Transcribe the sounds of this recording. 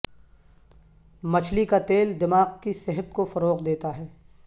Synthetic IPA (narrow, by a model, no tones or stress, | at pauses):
mɐt͡ʃʰlikat̪eːld̪ɪmaːqkisɛɦət̪kofɐɾoːqd̪eːt̪aɦɛː